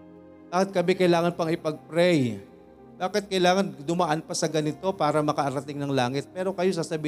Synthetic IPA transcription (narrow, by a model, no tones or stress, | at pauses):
baːkɪt̪̚kɐbɛkɐjlaːŋɐnpɐŋɪpɐɡ̚pɾɛj | b̥aːkɪt̪̚kɐjlaːŋɐnd̪ʊmaʔɐnpɐsɐɡɐnɪt̪o̞paːɾɐmɐkɐʔɐɾɐt̪ɪŋnɐŋlaːŋɪt̪̚pɛːɾo̞kɐjo̞saːsɐbiː